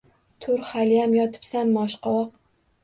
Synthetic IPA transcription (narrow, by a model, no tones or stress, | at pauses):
t̪ʰʊɾχalijamjɒt̪ʰɪ̥psamːɒʃqʰɒwɒq̚